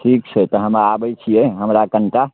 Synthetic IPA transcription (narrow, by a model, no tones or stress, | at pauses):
ʈʰikt͡ʃʰət̪ɔɦəmɾaːbɛt͡ʃʰijɛɦəmɾakəɳʈa